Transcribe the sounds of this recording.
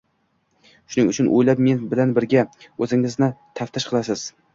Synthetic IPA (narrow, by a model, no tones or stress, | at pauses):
ʃʊnɪŋʊ̰t͡ʃʰʊnʔo̰jlap̚menbɪlanbɪɾɡʲaɵzɪŋɪznɪt̪ʰaft̪ʰɪʃqʰɨlˠasɪz̥